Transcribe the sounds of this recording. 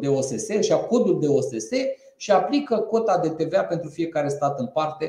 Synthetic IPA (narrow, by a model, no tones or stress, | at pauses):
d̪e̞o̞se̞se̞ʃiako̞rd̪uld̪e̞ose̞se̞ | ʃiaplikəko̞t̪ad̪e̞t̪e̞veape̞nt̪ɾufije̞kaɾe̞st̪at̪ɨnpart̪e̞